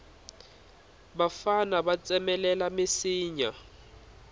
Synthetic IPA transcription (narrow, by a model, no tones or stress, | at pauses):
bafanaβat͡sʼɛmɛlɛlamɪsiːɲa